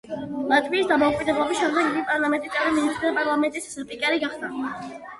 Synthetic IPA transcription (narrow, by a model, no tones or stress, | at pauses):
lat̪ʼviːsd̪amɔukʼwid̪ɛblˠɔbisʃɛmd̪ɛɡimipʼaɾlˠamɛnt̪ʼit̪ʼɛɾiminist̪ʰʼɾid̪apʼaɾlˠamɛnt̪ʼissɾpʼikʼɛɾiɡaχd̪a